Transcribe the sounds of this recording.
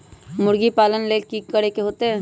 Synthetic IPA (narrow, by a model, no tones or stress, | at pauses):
mʊɽɡipaːlənleːkikːəɽekeɦoːt̪eɦɛ̃